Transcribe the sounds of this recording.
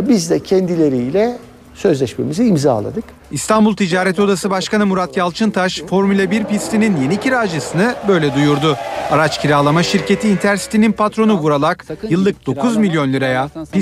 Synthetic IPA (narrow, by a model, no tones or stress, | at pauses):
bizd̪ɛcʰɛnd̪ilʲeɾijlʲɛ | sø̞zlʲɛʃmḛmiziːmza̰ːlˠa̰d̪ɯk | ist̪ʰanbulˠt̪ʰid͡ʒaːɾet̪ʰo̞d̪asɯbaʃkanɯmuɾat̪jalˠt͡ʃʰɯnt̪ʰaʃfo̞ɾmylʲabiɾpist̪ʰininje̞niciɾaːd͡ʒɯsɯnɯbø̞jlʲɛd̪ujuɾd̪ʊaɾat͡ʃcʰiɾaːlˠamaʃiɾce̞t̪ʰiːnt̪ʰæɾsi̥t̪ʰininpat̪ɾo̞nuɡuɾalˠakjɯlˠːɯk̚d̪̥o̞kʰuzmilʲjo̞nlʲɯɾajapi